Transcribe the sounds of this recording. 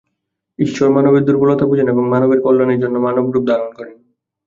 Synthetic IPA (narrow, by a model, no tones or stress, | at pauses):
iʃʃoɾmanobeɾd̪uɾbolot̪ʰapud͡ʑoneboŋmanobeɾkolːaneɾd͡ʑonːomanob̚ɡɾup̚d̪aɾonkoɾen